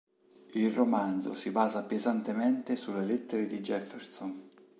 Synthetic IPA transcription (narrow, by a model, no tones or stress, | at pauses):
ilromand̪zo̰sibaːzapezant̪emɛnt̪esulːelɛt̪ːeɾed̪id͡ʒɛfːerson